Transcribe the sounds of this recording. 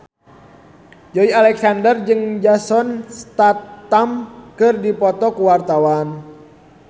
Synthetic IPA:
d͡ʒoialɛk̚sandərd͡ʒɨŋd͡ʒasɔnst̪at̪ːamkɨrdipɔt̪ɔkuwart̪awan

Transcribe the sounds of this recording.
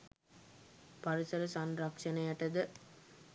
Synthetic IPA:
paɾisɐɾəsɐnɾɐkʂɐnɐjaʈɐd̪ə

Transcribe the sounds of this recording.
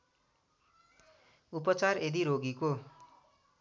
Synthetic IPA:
upʌt͡sared̪iɾoɡiko

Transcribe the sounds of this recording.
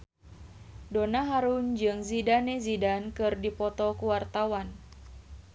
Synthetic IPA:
donaɦaɾund͡ʒɨŋzidanezidankɨrdipɔt̪ɔkuwart̪awan

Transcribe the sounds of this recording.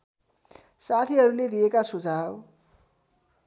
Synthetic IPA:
sat̪ʰiɦʌɾuled̪iekasud͡zʱaw

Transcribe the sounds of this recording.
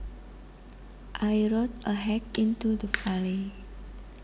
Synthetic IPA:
ʔajɹot̚əɦɛkĩntudəfali

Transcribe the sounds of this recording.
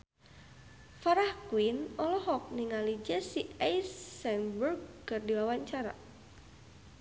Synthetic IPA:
faɾahkuwinɔlɔɦɔk̚niŋalid͡ʒɛsiajsːɛnburɡ̚kɨrdiwawaɲt͡ʃaɾa̰

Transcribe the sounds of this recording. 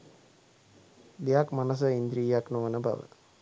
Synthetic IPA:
d̪ejakmanəs̬əind̪ɾiːjaknoʋənəba̰ʋə̰

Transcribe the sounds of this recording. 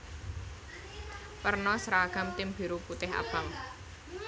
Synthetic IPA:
pərnɔsɾaɡ̥a̤mt̪ɪmb̥i̤ɾuput̪ɪɦa̰b̥a̤m

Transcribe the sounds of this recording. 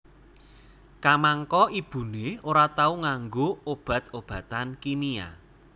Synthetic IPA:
kamaŋkɔib̥ṳneoɾat̪auŋaŋɡoob̥ä̤t̪ob̥ä̤t̪ankinia̰

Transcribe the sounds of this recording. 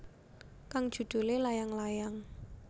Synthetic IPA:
kaŋd̥ʒ̥ṳd̪̥ṳlelajaŋlajaŋ

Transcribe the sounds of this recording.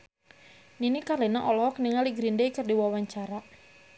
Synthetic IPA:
ninikalenaʔɔlɔɔkniŋaliɡɾindejkərdiwawaɲt͡ʃaɾa

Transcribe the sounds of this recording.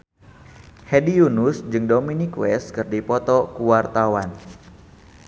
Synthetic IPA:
hɛdijunʊsd͡ʒɨŋdominikwɛs̚kɨrdipɔt̪ɔkuwart̪awan

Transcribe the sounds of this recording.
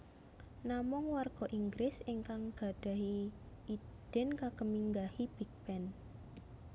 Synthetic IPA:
namʊŋwarɡ̥ɔ̤ʔiŋɡɾɪsiŋkaŋɡ̥a̤d̥a̤ɦi | id̥ɛ̤nkakəmiŋɡahib̥ik̚b̥ɛn

